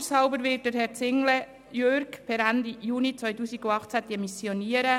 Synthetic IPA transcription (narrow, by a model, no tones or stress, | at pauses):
shaʊbəɾʋɪːt̚d̥əɾɦɛɾt͡sɪŋlə | jøɾkpʰɛɾændijuːnit͡sʋœʏtuːsiɡ̥uɑχt͡sæd̪̥iəmisjɔniːəɾə